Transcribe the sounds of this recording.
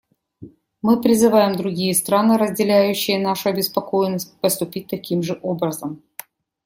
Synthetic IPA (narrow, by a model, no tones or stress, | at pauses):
mɨpɾʲɪzɨvajɪmd̪ɾʊɡʲijəst̪ɾanɨɾəzʲdʲɪlʲæjʉɕːɪjənaʂʊɐbʲɪspɐkojɪnːəsʲt̚ʲpəst̪ʊpʲit̚ʲt̪ɐkʲimʐɨʔobɾəzəm